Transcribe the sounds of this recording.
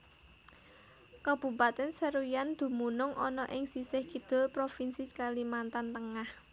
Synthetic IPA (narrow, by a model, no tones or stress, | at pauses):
kab̥ṳbat̪ɛnsəɾujand̪̥ṳmunʊŋʔɔnɔʔɪŋsisɪhkid̪̥ʊ̤lpɾofinsikalimant̪ant̪əŋah